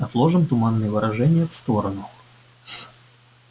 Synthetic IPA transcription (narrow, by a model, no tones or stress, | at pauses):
ɐt̪lˠo̞ʐɨmt̪ʊmanːɨjəvɨɾʔɐʐɛnʲɪjəfst̪oɾənʊ